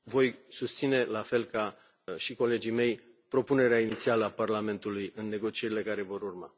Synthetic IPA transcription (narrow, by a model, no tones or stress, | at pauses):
vo̞jsust̪sine̞lafe̞lka | ʃiko̞le̞d͡ʒijme̞j | pɾo̞pune̞ɾeainit̪sialəaparlame̞nt̪ulujɨnːe̞ɡo̞t͡ʃie̞ɾile̞kaɾe̞vo̞ɾurma̰